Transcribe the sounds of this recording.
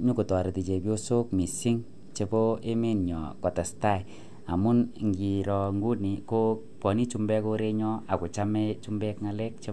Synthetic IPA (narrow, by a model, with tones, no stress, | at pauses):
ɲu˦ku˨tɔ˨ɾe˨ti˨t͡ʃe˨pjo˦so˦kmi˨si˦ŋ | t͡ʃe˧bo˦e˦me˦nɲɔ̰˨kɔ˨ta˨sta˦˨ | a˨mu˦nŋɡi˨ɾɔ˨ŋɡu˦ni˨ko˦ | pɔ˨ni˦t͡ʃu˧mbɛ˦ko˧ɾe˦ɲɔ˦a˨ko˨t͡ʃa˦mɛ˦t͡ʃu˦mbɛ˦kŋa˧lɛ˦k̚t͡ʃe˧